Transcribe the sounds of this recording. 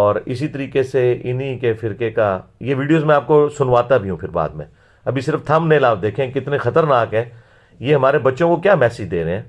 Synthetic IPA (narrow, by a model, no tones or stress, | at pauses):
ɔːɾɪsit̪əɾiːkeseɪnikefɪɾkekajeʋiːɖijoːzmɛ̃aːp̚kosʊnʋaːt̪abʱiɦũpʰɪɾba̰ːd̪mḛ̃ | ɐbʱisɪɾəft̪ʰɐmnẽlaːʋd̪eːkʰẽkɪt̪nexɐt̪əɾnaːkɦɛ̃ː | jeɦɐmaːɾebɐtːʃõkokjaːmɛːsɪd͡ʒd̪eːɾeɦɛ̃ː